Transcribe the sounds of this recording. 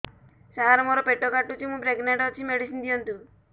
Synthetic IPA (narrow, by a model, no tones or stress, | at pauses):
saɦaɾɔmoɾɔpeʈːɔkaʈːut͡ʃʰimũbɾeɡneʈɔt͡ʃʰimeɽisind̪ijɔnt̪u